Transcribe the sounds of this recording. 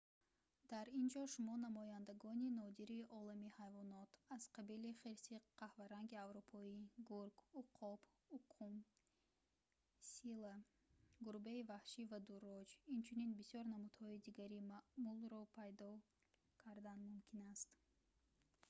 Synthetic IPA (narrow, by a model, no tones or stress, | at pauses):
d̪̥aɾind͡ʒɔʃumɔnamɔjand̪aɡɔninɔd̪iɾiʔɔlamihajvɔnɔt̪az̥qʰabiliχeɾsiqʰahvaɾaŋɡiavɾupʰɔiɡuɾɡuqʰɔb | uqʰum | sila | ɡuɾbeivahʃivad̪uɾɔd͡ʒint͡ʃʰuninbisjɔɾnamud̪hɔid̪iɡaɾimaʔmulɾɔpʰajd̪ɔ | kʰaɾd̪anmumkʰinast̪